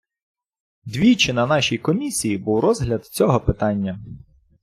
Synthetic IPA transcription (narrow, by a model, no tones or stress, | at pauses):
d̪ʋʲijt͡ʃɪnɐnɑʃʲijkɔmʲisʲijibuwɾɔzɦlʲɐd̪t͡sʲɔɦɔpɪt̪ɑnʲːɐ